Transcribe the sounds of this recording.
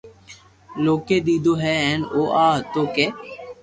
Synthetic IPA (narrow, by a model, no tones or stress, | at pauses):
loːkeːd̪iːd̪oːɦɛːɛ̃ːnoːʔaːt̪oːkeː